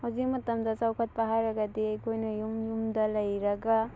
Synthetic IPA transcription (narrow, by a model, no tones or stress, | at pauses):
hawzik̚mɐtɐmdɐsawkʰɐt̚pɐɦaɾɐɡɐdiɐjkʰojnɐjumjumdɐlɐjɾɐɡa